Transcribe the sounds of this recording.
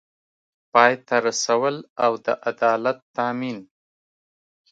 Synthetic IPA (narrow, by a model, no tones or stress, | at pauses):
pɑjt̪aɾasawəlawd̪ə̰ʔad̪ɑlat̪ːamin